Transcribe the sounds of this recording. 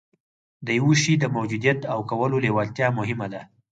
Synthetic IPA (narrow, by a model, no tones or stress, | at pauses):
d̪əjwuʃid̪əmawd͡ʒud̪ijat̪awkawəlolewalt̪jɑmʊɦɪmad̪a